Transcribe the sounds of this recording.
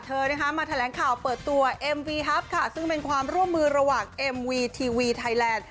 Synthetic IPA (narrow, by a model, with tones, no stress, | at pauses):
t̪ʰɤː˧na˥˩kʰa˦˥maː˧t̪ʰa˧lɛː˩˦ŋkʰaː˨˩wpɤː˨˩t̪ːu˧ɐʔe˧mwiː˧ɦɛ˦˥p̚kʰa˥˩sɯ˥˩ŋpe˧nkʰwaː˧mɾu˥˩əmːɯː˧ɾa˧waː˨˩ŋʔe˧mwiː˧t̪ʰiː˧wiː˧t̪ʰa˦˥jlɛː˧˩n